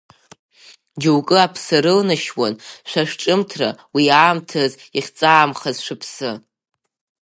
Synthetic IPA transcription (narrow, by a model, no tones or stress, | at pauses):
d͡ʒuwkʼɨapʰsɨɾɨlnaʃwa̰nʃʷaʂʈ͡ʂʼɨmtʰra̰wiaːmtʰaz | iχʲt͡sʼaːmχazʂʷɨpʰsɨ